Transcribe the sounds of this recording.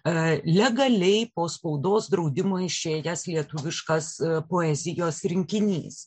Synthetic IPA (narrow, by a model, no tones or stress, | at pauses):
lʲɛɡɐlʲɛɪpoːspɐʊd̪oːsd̪ɾɐʊd̪ʲɪmoːɪʃʲeːjɛslʲiɛt̪ʊʋʲɪʃkɐspoːɛzʲɪjoːsɾʲɪŋʲkʲɪnʲḭːs